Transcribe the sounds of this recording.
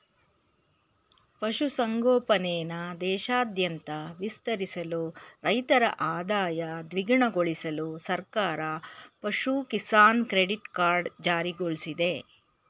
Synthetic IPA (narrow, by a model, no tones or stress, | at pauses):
pɐʃusɐŋɡɔːpɐnɛːnɐd̪ɛːʃaːd̪ʱjɐnt̪ɐʋist̪ɐɾisɐluɾɐjt̪ɐɾɐ̰ʔaːd̪aːjɐd̪ʋiɡɳɐɡoɭisɐlusɐɾkaːɾɐpɐʃukisaːnkɾeɖiʈkaːɾɖd͡ʒaːɾiɡoɭsid̪e̞